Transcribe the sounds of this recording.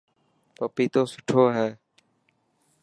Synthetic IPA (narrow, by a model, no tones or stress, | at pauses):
pəpiːt̪oːsʊʈʰoːɦɛː